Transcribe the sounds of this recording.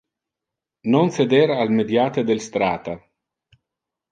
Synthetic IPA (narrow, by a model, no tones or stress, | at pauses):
nonsed̪eɾalmed̪jat̪ed̪elst̪ɾaːt̪a